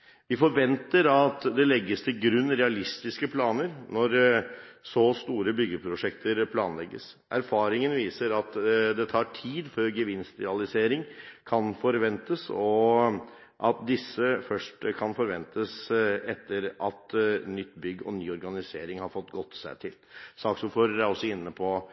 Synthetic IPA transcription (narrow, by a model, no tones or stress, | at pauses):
ʋɪfɔɾʋɛnt̪əɾɑt̪d̪ɛlɛɡːəst̪ʰɪlɡɾʉnːɾɛɑlɪst̪ɪskəpʰlɑːnəɾnɔɾ | sɔst̪uːɾəbʏɡəpʰɾʊʂɛkt̪ʰəɾpʰlɑ̰ːnlɛɡːə̰s | ʔæ̰ɾfɑːɾɪŋənʋiːsəɾɑt̪d̪ɛt̪ʰɑːʈʰiːd̪føɾɡəʋɪnst̪ɾɛ̰ɑlɪseːɾɪŋkʰɑnfɔɾʋɛnt̪əsɔ | ʔɑt̪̚d̪ɪsːəfœʂʈkʰɑnfɔɾʋɛnt̪ʰəsɛt̪ːəɾʔɑt̪nʏt̪ːbʏɡːɔ̰nyːɔɾɡɑnɪseːɾɪŋhɑɾfɔt̪ːɡɔt̪ːsæ̰ɪt̪ʰɪlsɑːksɔfɔːɾæɾɔsːɔɪnːəpʰɔ